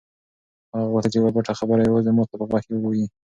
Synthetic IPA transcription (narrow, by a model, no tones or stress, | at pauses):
haɣawʊɾt̪at͡ʃewabaʈaxabəɾajwəzəmut̪apəxɑkewəɡoji